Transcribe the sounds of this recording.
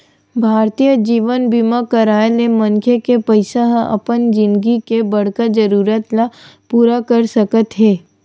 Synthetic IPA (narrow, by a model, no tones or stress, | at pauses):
bʱaːɾt̪ijəd͡ʒiːʋənbimakəɾaːəlemɐ̃ŋkʰekepəɪsaɦɐ̰pənd͡ʒɪ̃nd̪ɡikebɐɽ̤kad͡ʒəɾuːɾət̪lapuːɾakəɾsɐkət̪ɦɛː